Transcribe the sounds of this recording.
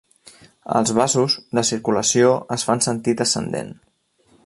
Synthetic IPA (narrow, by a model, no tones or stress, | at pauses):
ə̰lˠzβ̞asuzðəsiɾkuləsioəsfansənt̪it̪əsə̰nd̪ḛn